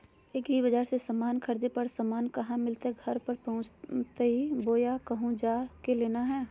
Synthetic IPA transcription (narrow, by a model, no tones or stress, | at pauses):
ekibəd͡ʒaːɾsesəmaːnkʰɐɾd̪epɐɾsəmaːnkɐɦãmɪlt̪eɡʱɐɾpəɾpɐɦʊ̃t͡ʃt̪eɦiboːjakɐɦũd͡ʒaːkeleːnaɦɛː